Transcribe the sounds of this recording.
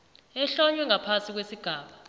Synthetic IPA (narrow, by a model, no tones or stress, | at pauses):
ɛɬɔɲwɛŋapʰasik̬wesiɡ̥ʱaːɓa